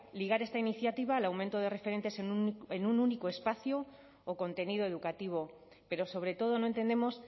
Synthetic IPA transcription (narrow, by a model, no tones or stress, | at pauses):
liɣaɾe̞st̪ainiθjat̪iβ̞alawmẽnt̪o̞ð̞e̞re̞feɾe̞nt̪e̞senenununikoe̞spaθjo | oko̞nt̪e̞niðoe̞ðukat̪iβ̞o̞ | pe̞ɾo̞so̞β̞ɾe̞t̪o̞ð̞o̞no̞e̞nt̪e̞nd̪emo̞s